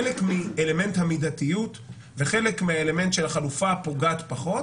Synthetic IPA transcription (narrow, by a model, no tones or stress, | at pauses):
lekmiele̞me̞nt̪hamidat̪ijut | veχe̞lekmeaeleme̞nt̪ʃe̞laχalufapo̞ɡat̪paχo̞t